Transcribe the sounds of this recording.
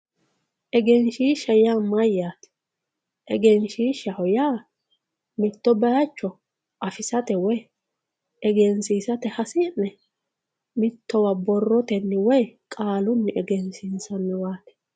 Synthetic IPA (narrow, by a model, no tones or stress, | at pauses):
ʔɛɡɛnʃiːʃɐjaːmɐjːaːt̪ɛ̥ | ʔɛɡɛnʃiːʃɐhɔjaː | mɪt̪ːɔbɐjɐt͡ʃːɔ | ʔɐfɪsɐt̪ɛwɔj | ʔɛɡɛnsiːsɐt̪ɛhɐsɪnːɛ | mɪt̪ːɔwɐbɔrːɔt̪ɛnːɪwɔjkʼaːlʊnːɪʔɛɡɛnsinsɐnːɪwaːt̪ɛ̥